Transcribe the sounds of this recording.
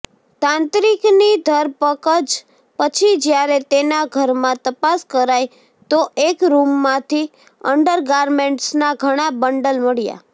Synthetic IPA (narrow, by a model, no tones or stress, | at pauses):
t̪ãnt̪ɾiknid̪ʱəɾpəkəd͡ʒ | pət͡ʃʰid͡ʒjaɾet̪enaɡʱəɾmãt̪əpaskəɾaj | t̪oʔekɾumːãt̪ʰi | əɳɖəɾɡaɾmeɳʈsnaɡʱəɽ̃abəɳɖəlməɭija̰